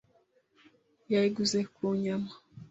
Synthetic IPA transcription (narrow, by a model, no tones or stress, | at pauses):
jaiɡuzekuɲama